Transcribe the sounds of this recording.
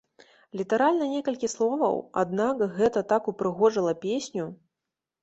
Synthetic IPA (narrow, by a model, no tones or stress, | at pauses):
lʲit̪aɾalʲnɐnʲɛkɐlʲkʲislˠɔvɐ̰wa̰d̪̚nakɣɛt̪ɐt̪akupɾɨɣɔʐɨlˠɐpʲesʲnʲu